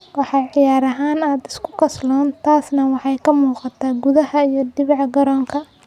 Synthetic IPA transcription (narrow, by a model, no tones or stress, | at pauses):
wɑħɑʕɪjaːɾɐɦaːnaːd̪ɪskʰʊ̥kʰɐslɔːnt̪ʰaːsnɐwɑħɑjkʰɐmuːqɑt̪ʰaːɡʊðɐhɐijɞd̪ɪβɑʕɡɐɾɔːŋkʰɐ